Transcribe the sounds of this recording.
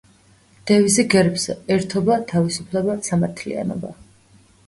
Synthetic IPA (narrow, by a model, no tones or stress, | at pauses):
d̪̥ɛvisɛɡɛɾpzɛɛɾt̪ʰɔbat̪ʰavisupʰlɛbasamaɾt̪ʰlḭa̰nɔ̰ba